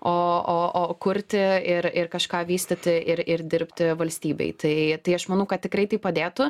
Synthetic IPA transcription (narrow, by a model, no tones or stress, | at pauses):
oːoːʔoːkʊɾʲt̪ʲɪɪɾɪrkɐʃkɑːʋʲiːsʲt̪ʲɪt̪ʲɪʔɪɾɪɾd̪ʲɪɾʲpʲt̪ʲɪʋɐlʲsʲt̪ʲiːbʲɛ̰ɪt̪ɐɪt̪ɐɪɐʃmɐnɐʊkɐt̪̚tʲɪkɾɐɪt̪ɐɪpɐd̪ʲeːt̪ʊ